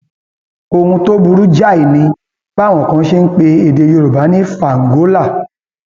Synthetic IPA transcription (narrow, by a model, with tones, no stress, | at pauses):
o˧hũ˧to˦bu˧ɾu˦d͡ʒa˦˨i˨nĩ˧ | ɡ͡ba˦˨w̃ɔ̃˨kã˧˦ʃe˦n̩˦k͡pe˧e˧˨de˧jo˧ɾo˨ba˨˦nĩ˦fa˨ŋ̩˨ɡo˨˦la˦˨